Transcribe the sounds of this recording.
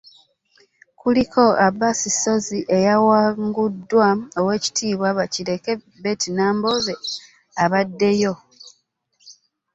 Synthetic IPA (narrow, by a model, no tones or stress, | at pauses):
kuliko̞abasiso̞ziʔe̞jawaŋɡudːwao̞we̞ːci̥tʰiːβwaβaciɾe̞ke̞ | be̞ːtinaːmbo̞ze̞ | aβadːe̞jo̞